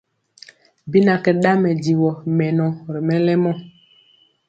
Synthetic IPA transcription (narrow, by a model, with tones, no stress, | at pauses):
bi˦na˨kɛ˨ɗa˦mɛ˨di˨wɔ˨mɛ˨nɔ˨ɾi˨mɛ˦lɛ˦mɔ˦